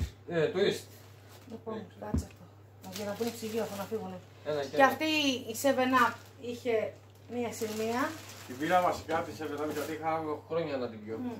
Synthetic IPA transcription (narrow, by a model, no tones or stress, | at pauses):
et̪uist̪ | lipo̞nkɐt͡sɐft̪o | ɐʝɐnɐpunipsiʝiɐfonɐfiɣune̞ | enɐeɐft̪iːsevenɐ | içe̞ | miɐsiɣmiɐt̪iviɾɐvɐsi̥kɐt̪isevenɐmiʝɐt̪iixɐoxɾoɲɐenɐt̪iljo